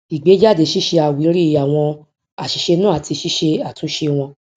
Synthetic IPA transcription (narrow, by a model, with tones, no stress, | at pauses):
i˨ɡ͡be˨˦d͡ʒa˦˨de˨˧˦ʃi˦ʃe˧a˨wi˨˦ɾi˦˨a˨w̃ɔ̃˧ | a˨ʃi˨ʃe˧nũ˦a˦˨ti˧ʃi˦ʃe˧a˨tũ˨˦ʃe˧w̃ɔ̃˧